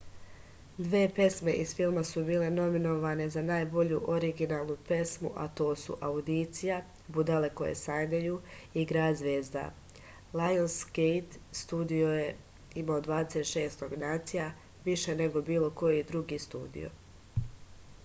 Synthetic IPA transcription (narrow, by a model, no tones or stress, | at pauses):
d̪ʋeːpe̞sme̞ʔiz̥filˠmasubiːle̞no̞mino̞ʋane̞zanaːjbo̞ʎuʔoɾiɡinaːlˠnupe̞smṵʔat̪o̞ːsṵʔaud̪it̪sija | bud̪ale̞ko̞̰jḛsaːɲajuiɡɾad̪zʋeːzd̪a̰ | lajonskejt̪st̪uːd̪ioje | imaod̪ʋaːd̪eset̪ʃe̞ːst̪oɡnaːt̪sija | ʋiʃe̞ne̞ɡo̞biːlˠo̞ko̞jid̪ɾuɡist̪ṵːd̪ḭjo̰